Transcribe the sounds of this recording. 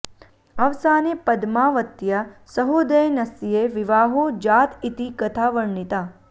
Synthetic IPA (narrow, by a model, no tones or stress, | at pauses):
ɐʋsanepəd̪maʋət̪jasəɦod̪əjnɐsijeʋɪʋaːɦod͡ʒat̪ʰit̪ikət̪ʰaʋəɳɳit̪a